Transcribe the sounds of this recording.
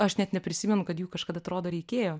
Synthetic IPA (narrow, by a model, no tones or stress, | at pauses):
ɐʃnʲɛt̪nʲɛpʲɾʲɪsʲimʲɛnʊkɐt̪juːkɐʃkɐd̪ɐt̪ɾoːd̪oːɾʲɛɪkʲeːjoː